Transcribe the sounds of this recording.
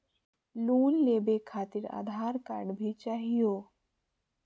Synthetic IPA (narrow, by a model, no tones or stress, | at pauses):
luːnlebekʰat̪iːɾa̰d̪ʱaɾka̰ɖbʱit͡ɕaɦijo